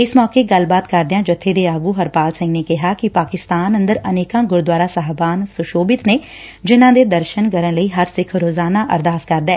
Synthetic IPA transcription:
ɪsmɔːkeːɡəlbaːt̪kəɾd̪eãːd͡ʒət̪ʰːeːd̪eːaːɡuːɦəɾpaːlsɪ̃ŋɡneːkɪɦaːkɪpaːkɪst̪aːnə̃nd̪əɾəneːkãːɡʊɾd̪waːɾaːsəɦbaːnsʊʃoːbɪt̪neː | d͡ʒɪnãːd̪eːd̪əɾʃənkəɾənləiːɦəɾsɪkʰɾoːzaːnaːʔə̰ɾd̪aːskəɾd̪ɛː

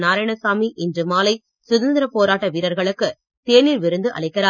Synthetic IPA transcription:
naːɾɐjɳɐsaːmiʔɪndrɯmaːlɐɪ | sʊðɐnd̪ɪɾɐpoːɾaːʈːɐʋiːɾɐɾɣɐɭɯkːɯ | t̪eːniːɾʋɪɾɯnd̪ɯʔɐ̰ɭɐɪkːɐɾaː

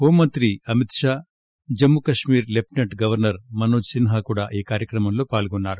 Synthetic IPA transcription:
oːmɐnt̪ɾiɐmit̪ʂaː | d͡ʒɐmːukɐʂmiːɾlepʰʈneʈɡɐʋɐɾnɐɾmɐnoːd͡ʒsinɦaːkuːɽaːʔiːkaːɾjɐkɾɐmɐmlo̞ːpaːlɡɔnːaːɾu

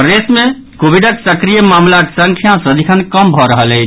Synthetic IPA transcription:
pɾesmẽ | kobʱiɖəksəkɾijəmamlaksəŋkʰjasəd̪ʱikʰənkəmbʱɔɾəɦəlɛ

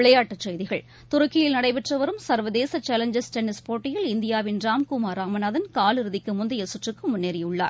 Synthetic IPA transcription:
ɪɭɐjaːʈːɐt͡ʃɛjðɪɣɐɭ | t̪ʊɾɐkːɪjɪlnɐɽɐɪʋɪʈrɐʋɐɾɯmsɐɾʋɐðeːsɐt͡ʃːaːlɐɲd͡ʒɐsʈɛnːɪspoːʈːɪjɪlɪnd̪ɪjaːʋɪnɾaːmkʊmaːɾaːmɐnaːðɐnkaːlɪɾɯðɪkːɯmʊnd̪ɐjɐsʊʈrɯkːɯmʊnːeːɾɪjɯɭːa̰ːɾ

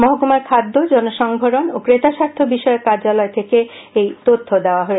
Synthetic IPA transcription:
mɔɦɡomaɾkʰad̪ːod͡ʑɔnoʃɔŋɡʱoɾonokɾet̪aʃaɾt̪ʰobiʃɔekːaɾd͡ʑalɔet̪ʰeke | ejt̪ot̪ʰːod̪eoaɦoe

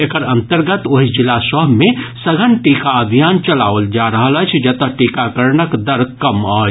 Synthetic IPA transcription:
ekəɾənt̪əɾɡət̪oɦid͡ʒilːasəbmesəɡʱənʈikaəbʱijant͡ʃəlaʋəld͡ʒaɾəɦələt͡ʃʰd͡ʒət̪əʈikakəɾnəkd̪əɾkəmət͡ʃʰ

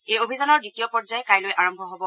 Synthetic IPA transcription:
ejobʱizanɔɹditijɔpɔzajkajlojʔaɹɔmbʱɔɦobɔ

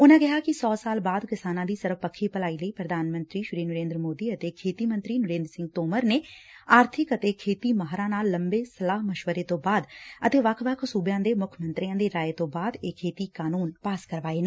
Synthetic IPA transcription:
ʊnãːɡɪɦaːkɪsɔːsaːlbaːd̪kɪsaːnãːd̪iːsəɾfpəkʰːiːpəlaːiːləiːpɾəd̪ʱaːnmə̃nt̪ɾiːʃɪɾiːnəɾẽːnd̪ɾəmoːd̪iːət̪eːkʰeːt̪iːmə̃nt̪ɾiːnʊɾẽːnd̪ɾsɪ̃ŋɡ̚t̪oːməɾneːaːɾt̪ʰɪkət̪eːkʰeːt̪iːməɦɾãːnaːlːəmbeːsəlaːɦməʃʋəɾeːt̪õːbaːd̪ət̪eːʋəkʰʋəkʰsuːbjãːd̪eːmʊkʰəmə̃nt̪ɾijãːd̪eːɾaːeːt̪õːbaːd̪ekʰːeːt̪iːkaːnuːnpaːskəɾʋaːeːne

